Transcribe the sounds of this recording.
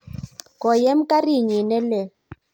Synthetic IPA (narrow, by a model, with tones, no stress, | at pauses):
kɔ˨jɛ˦m̩˦ka˦ri˦˨ɲi˨nɛ˦lɛ˨